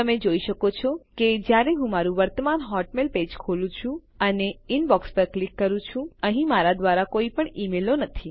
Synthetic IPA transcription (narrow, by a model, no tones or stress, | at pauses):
tt̪əmed͡ʒoiʃəkot͡ʃʰɔked͡ʒjaɾeɦũmaɾũʋəɾt̪əmanɦɔʈmelped͡ʒkʰolũt͡ʃʰũ | əneinbɔkspəɾklikːəɾũt͡ʃʰũəɦĩmaɾad̪ʋaɾakoipəɳimelonət̪ʰi